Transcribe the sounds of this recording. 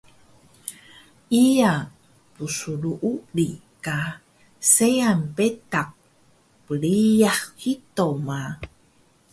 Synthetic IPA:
ʔia | pusuluʔulika | seanpetak̚ | pəɭiahkit̪oma

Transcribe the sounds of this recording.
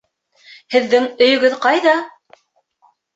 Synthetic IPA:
hɘ̆ðːɘŋɵ̆jɵ̆ɡɵðqɑjðɑ

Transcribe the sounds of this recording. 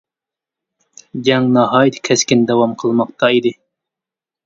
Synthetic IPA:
d͡ʒʲɛŋnɑɦɑːjt̪ʰkʲʰɛskʲind̪ɛwɑmqʰəlˠmɑq̚t̪ʰɑid̪ɨ

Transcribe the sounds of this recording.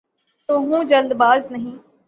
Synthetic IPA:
t̪oːɦũːd͡ʒəld̪baːznəɦĩː

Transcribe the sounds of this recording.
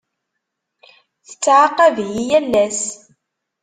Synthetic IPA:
θə̥t͡sːʕaqːævjijælːæs

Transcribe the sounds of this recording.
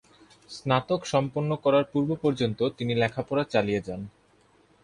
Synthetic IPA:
snat̪okʃɔmponːokɔɾaɾpuɾbopɔɾd͡ʑont̪ot̪inilɛkʰapɔɾat͡ɕalijed͡ʑan

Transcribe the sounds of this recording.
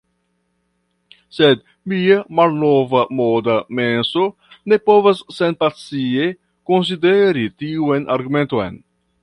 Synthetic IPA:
sed̪ | miamalnovamodamenso̞ | ne̞povasːenpat͡sie | kons̬ideɾitiuenʔaɾɡume̞ntojn

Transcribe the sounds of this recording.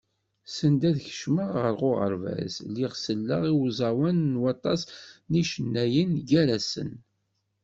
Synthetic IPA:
sənd̪æðçə̥ʃməʁʁəɾʁʊʁə̰ɾvæ̰zliʁsəlːəʁiwzˤɑwænːwɑt̪ˤɑsniʃənːæjənɡæɾæsə̰n

